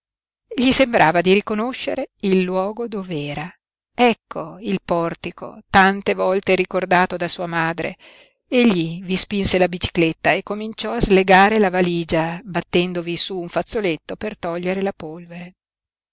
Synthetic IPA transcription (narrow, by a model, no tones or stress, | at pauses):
ʎːisembɾʔaːvad̪iɾikonoʃːḛɾeilːwɔːɡod̪ovɛːɾa | ɛkʰːoilpɔrt̪ikʰo̰t̪ant̪evɔlt̪eɾikord̪aːt̪od̪asuːamaːd̪ɾḛ | eʎːivispinselabit͡ʃi̥klet̪ːaekːomint͡ʃɔazleɡaːɾelavaliːd͡ʒabat̪ːɛnd̪ovisuːɱfat̪sːolet̪ːopert̪ɔʎːeɾelapolveɾe